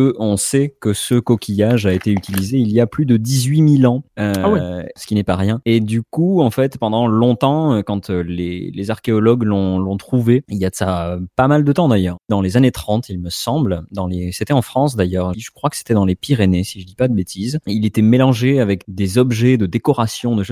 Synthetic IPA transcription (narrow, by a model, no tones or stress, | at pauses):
əʔɔ̃sɛkəsəkɔkʲʰijaʒaet̪eyt̪ilizeiliaplyd̪əd̪izɥimilɑ̃øisə̥kʲinɛpaʁjɛ̃ed̪ykuɑ̃fɛt̪pɑ̃d̪ɑ̃lɔ̃t̪ɑ̃økɑ̃t̪lḛlezaʁkʲeɔlɔɡlɔ̃lɔ̃t̪χuveiljasapamald̪ət̪ɑ̃d̪ajœːʁd̪ɑ̃lezanet̪χɑ̃t̪ilməsɑ̃bld̪ɑ̃leset̪ɛɑ̃fχɑ̃sd̪ajœʁʒəkχwakə̥se̥t̪ɛd̪ɑ̃lepiʁenesiʒəd̪ipad̪əbet̪ʰizilet̪ɛmelɑ̃ʒeavɛkd̪ezɔbʒɛd̪əd̪ekɔʁasjɔ̃d̪əʃo